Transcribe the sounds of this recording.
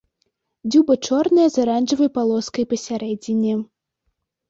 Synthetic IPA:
d͡zʲubɐt͡ʂɔrnɐjɐzaɾanʐɐvɐjpalˠɔskɐjpɐsʲaɾɛd͡zʲinʲːɛ

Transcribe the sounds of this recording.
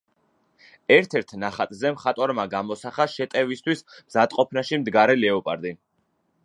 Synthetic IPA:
ɛɾt̪ʰɛɾt̪ʰnaχat̪ʼzɛmχat̪ʼwaɾmaɡamɔsaχaʃɛt̪ʼɛvist̪ʰwismzad̪ʼqʼɔpʰnaʃimd̪ɡaɾɛlɛɔpʼaɾd̪in

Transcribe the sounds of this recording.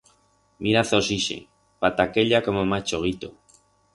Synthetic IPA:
mʔiɾaθosiʃḛ | pat̪akeʎakomomat͡ʃoɣ̞it̪o̰

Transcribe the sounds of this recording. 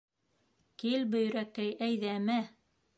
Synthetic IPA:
kilbɵ̆j̆ɾækæjʔæjðæmæ

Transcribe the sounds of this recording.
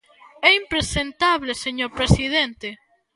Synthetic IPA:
ɛimpɾesent̪aβleseɲoɾpɾesiðent̪e

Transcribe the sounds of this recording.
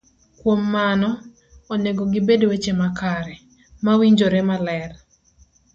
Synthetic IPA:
kwomːanɔː | neɡoɡɪbedowet͡ʃemakaɾɛ | mawiɲd͡ʒoɾemalɛr

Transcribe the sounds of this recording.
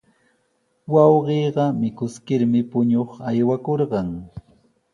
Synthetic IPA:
wɑwɢeːɢɑmɪkʊskɪɾmɪpʊɲoχajwakoɾɢɑŋ

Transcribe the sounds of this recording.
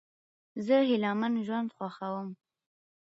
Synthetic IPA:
zəɦɪlɑmanʒwand̪xwaxawəm

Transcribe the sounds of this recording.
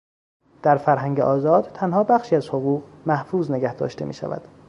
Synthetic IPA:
d̪̥æɾfæɾɦæŋɟeʔɒːzɒːd̪̥t̪ʰænhɒːbæxʃiːæzhoɣuːɣmæhfuːzne̞ɡæhd̪ɒ̰ːʃt̪e̞mḭːʃæ̰væ̰d̪̥

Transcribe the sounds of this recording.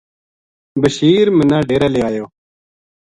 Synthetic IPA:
bəʃiːɾmɪ̃nãːɖeːɾeːleːʋaːjoː

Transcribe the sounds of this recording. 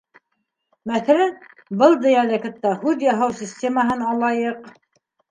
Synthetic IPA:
mæθæɾæn | bɤlˠd̪ɘ̆jælɘ̆kɤ̆t̪ːɑhʉðjɑɦɤwsʲisʲtʲeməɦɤnɑlˠɑjɤq

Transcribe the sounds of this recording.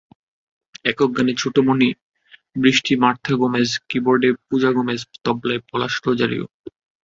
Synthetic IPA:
ɛkok̚ɡanet͡ɕʰuʈomoni | bɾiʃʈimaɾt̪ʰːaɡomeskiboɾɖepud͡ʑaɡomest̪ɔblaepɔlaʃlod͡ʑaɾḭo̰

